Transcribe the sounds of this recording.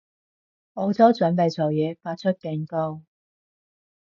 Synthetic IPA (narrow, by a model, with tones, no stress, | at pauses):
ɔː˨˧t͡sɐ˨˥wt͡sɵ˨˥npe˨jt͡soː˨˩wjɛː˨˧faː˧t̚t͡ʃʰɵ˥t̚kɛː˧ŋko˥w